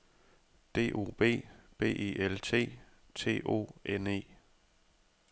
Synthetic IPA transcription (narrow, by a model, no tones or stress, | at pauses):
d̥e̝̰ːʔo̝̰ːb̥e̝̰ːb̥e̝̰ːʔiʔelt͡sʰe̝̰ː | t͡sʰe̝̰ːʔo̝̰ːene̝̰ː